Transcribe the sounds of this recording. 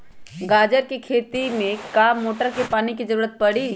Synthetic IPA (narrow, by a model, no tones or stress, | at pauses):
ɡaːd͡ʒəɾkikʰeːt̪imẽkaːoːʈəɾkepaːnikizəɾuːɾət̪̚pɐɽi